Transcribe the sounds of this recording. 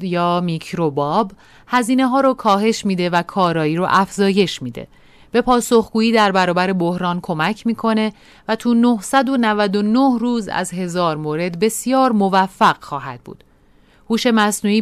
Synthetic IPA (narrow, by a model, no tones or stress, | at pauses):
jɒːmicʰɾobɒːb | hæziːne̞ɦɒːɾɔkʰɒːɦe̞ʃmiːd̪e̞vækʰɒːɾɒːiːɾɔ̰ʔæfz̥ɒːje̞ʃmiːd̪e̞̰ | b̥e̞pʰɒːso̞xɡ̥uːiːd̪æɾbæɾɒːbæɾe̞bohɾɒːnkʰo̞mæcʰmiːkʰo̞ne̞ | væt̪ʰuːnohsæd̪o̞nævæd̪o̞nohruːzæ̰zɦe̞zɒːɾmoːɾe̞d̪be̞sijɒːɾmo̞væfːæɣ̥xɒːɦæ̰d̪̥̚bṵːd̪̥ | huːʃe̞mæsnuːiː